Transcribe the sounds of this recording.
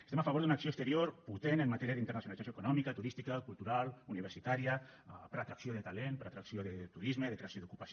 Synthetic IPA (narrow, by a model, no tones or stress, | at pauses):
est̪emafaβoɾðd̪unaksioest̪eɾjoɾput̪enemːat̪ɛɾiaðint̪əɾnasunalizsasjoekunɔmikat̪uɾist̪ikakulˠt̪uɾaluniβeɾsit̪aɾijapəɾat̪ɾaksjoðet̪alenpəɾat̪ɾaksjoðet̪uɾizmeðekɾeasjoðukupas